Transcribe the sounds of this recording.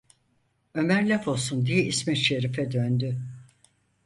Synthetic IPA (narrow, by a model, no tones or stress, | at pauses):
ø̞mæɾlʲafo̞lˠsund̪ijɛismɛʃeɾifɛd̪ønd̪y